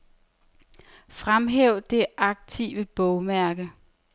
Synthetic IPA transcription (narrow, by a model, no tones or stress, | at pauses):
fʁamɦeʊ̰d̥e̝ʔɑ̈ɡ̥̚t͡sʰḭʋəb̥ɔʊmæɐɡ̥ə